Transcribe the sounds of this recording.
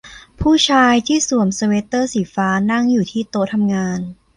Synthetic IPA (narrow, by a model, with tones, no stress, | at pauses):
pʰuː˥˩t͡ɕʰaː˧jt̪ʰiː˥˩su˨˩əmsa˧weː˦˥t̪ɤː˥˩siː˩˦faː˦˥na˥˩ŋjuː˨˩t̪ʰiː˥˩t̪oː˧t̪ʰa˧mŋaː˧n